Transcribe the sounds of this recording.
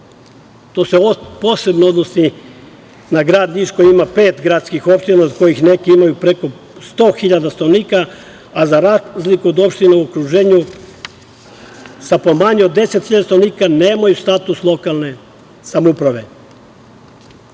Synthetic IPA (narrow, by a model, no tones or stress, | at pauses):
t̪o̞ːseopo̞ːse̞bnood̪nosi | naɡɾaːd̪niʃkoiimape̞ːt̪ɡɾaːt̪skixo̞pʃt̪inaod̪ko̞jixne̞kiimajupɾe̞ko̞ | st̪o̞ːxiʎad̪ast̪oʋniːkaː | zaɾazlikuod̪o̞pʃt̪ineuokɾuʒe̞ːɲu | sapo̞maɲod̪ːe̞set̪xiʎad̪ast̪oʋniːkaneːmajust̪at̪uslˠo̞kalˠne̞ | samoupɾaʋe̞